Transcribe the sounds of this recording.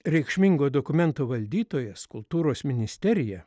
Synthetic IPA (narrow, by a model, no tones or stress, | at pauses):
ɾʲɛɪkʃʲmʲɪŋɡoːd̪oːkʊmʲɛnt̪oːʋɐlʲd̪ʲiːt̪oːjɛskʊlˠt̪uːɾoːsmʲɪnʲɪsʲt̪ʲɛɾʲɪjɛ